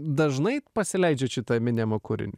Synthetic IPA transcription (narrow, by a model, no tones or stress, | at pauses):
d̪ɐʒnɐɪpɐsʲɪlʲɛɪd͡ʒʲɛːʃʲɪt̪ɐmʲɪnʲɛmokʊɾʲɪ̰nʲɪ